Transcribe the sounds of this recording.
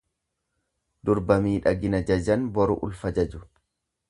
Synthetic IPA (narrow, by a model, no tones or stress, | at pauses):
d̪ʊɾbɐmiːᶑɐɡɪnɐd͡ʒɐd͡ʒɐnbɔɾʊ̰ʔʊ̰lfɐd͡ʒɐd͡ʒʊ